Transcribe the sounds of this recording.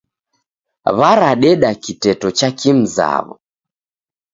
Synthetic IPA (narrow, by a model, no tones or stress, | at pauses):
βaɾaɗɛɗakitɛtɔt͡ʃakim̩za̰βɔ̰